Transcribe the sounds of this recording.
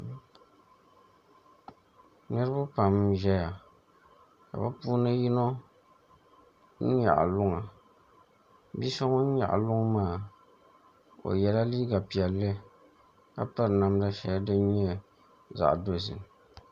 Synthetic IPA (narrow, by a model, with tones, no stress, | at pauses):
nɨ˦ɾɨ˦ba˦pa˨mʒɛ˦ja˨ | ka̰˨ba˦puː˦nɨ˦ji˦no˦ | n̩˦ɲa̰˨ʔlʊ˦ŋa˨ | bi˦sɔ˦ŋɔ˦n̩˦ɲa̰˨ʔa̰˨lʊ˦ŋmaː˦˨ | o̰˨jɛ˨la˦liː˦ɡa˨pi˨ɛ˨lːɨ˦ | ka˨pa˦ɾna˨mda˦ʃɛ˨ja˦dɨ˦ɲɛ˦ | za̰˨ʔdo˨s̬ɨ̰˨